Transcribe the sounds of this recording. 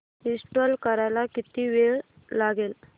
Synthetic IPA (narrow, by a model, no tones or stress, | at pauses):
isʈʋəlkəɾajlakit̪iʋeɭ | laɡel